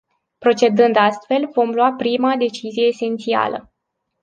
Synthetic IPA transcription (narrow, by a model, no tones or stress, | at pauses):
pɾo̞t͡ʃe̞d̪ɨnd̪ast̪fe̞lvo̞mlwapɾimad̪e̞t͡ʃizije̞ːse̞nt̪sia̰lə̰